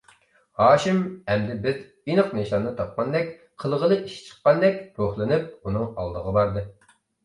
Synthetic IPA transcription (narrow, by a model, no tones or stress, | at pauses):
hɑːʃɪmɛmd̪ɪbɪz | inɨqneʃɑnːɨt̪ʰɑp̚qɑnd̪ɛkʲ | qʰəlˠʁəlˠɨʔiʃt͡ʃʰə̥qːɑnd̪ɛkʲɾoχlˠɨnɨp̚unɨŋɑ̰lˠd̪əʁəbɑɾd̪ɨ